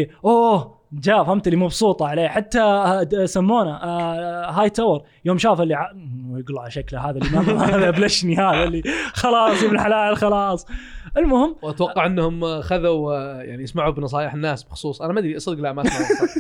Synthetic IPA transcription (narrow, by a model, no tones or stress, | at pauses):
ʔoː | d͡ʒaːfhamt̪alimɑbsuːt̪ˤɑʕaleːħat̪ːasamːuːna | ɦaːjt̪ːawɾ | joːmʃaːfɪlːiʕajɪɡlʕalaʃaklaɦaːðalːimammaːðablɪʃnihaːðalːixɑlɑːsˤibɪlħalaːʔɪlxɑlɑːsˤʔɪlmʊhɪmːwʔat̪wɑqːɑʕʔɪnːhʊmxaðawja̰ʕnijɪsmaʕubnɑs̬ˤɑːjɪħɪnːaːsb̥ɪxʊ̥sˤuːsˤʔanamad̪ɾiʔasɪd̪ɡlaʔmaa